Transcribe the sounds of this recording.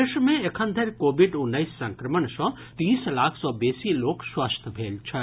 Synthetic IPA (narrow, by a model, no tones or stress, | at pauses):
eʃmẽekʰənd̪ʱeɾkobʱiɖunːəjsːə̃ŋkɾəməɳsɔ̃ | t̪iːslakʰsɔbesiloːkswast̪ʰbʱelt͡ʃʰə